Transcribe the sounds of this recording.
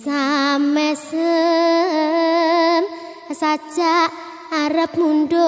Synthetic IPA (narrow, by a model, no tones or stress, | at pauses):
samɛsə | m | sḁd͡ʒaʔ | aɾəp̚mundo